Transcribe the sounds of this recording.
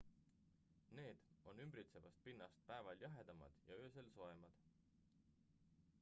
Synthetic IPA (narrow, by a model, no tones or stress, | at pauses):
ne̞ːd̪̥o̞nːymbɾit̪se̞vɑst̪̚pinːɑst̪̚pæevɑljɑɦe̞d̪̥ɑmɑ̰d̪̥jɑøːs̬elso̞emɑd̪̥